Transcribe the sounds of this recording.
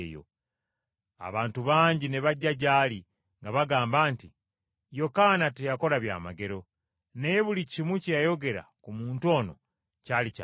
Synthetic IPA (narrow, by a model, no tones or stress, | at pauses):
jo̰ | a̰βaːntuβaːɲɟineβaɟːaɟaːli | ŋɡaβaɡaːmbaːnti | jo̞kanatejako̞laβja̰ːmaɡe̞ɾo̞ | nejeβulicimwucejajo̞ɡe̞ɾa̰kumuːntuo̞ːno̞̰ | calica̰